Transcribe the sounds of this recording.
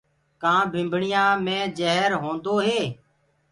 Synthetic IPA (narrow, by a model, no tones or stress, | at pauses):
kãːbʱɪ̃mbʱɳɪjãːmẽːd͡ʒəɦɾɦõːnd̪oːɦeː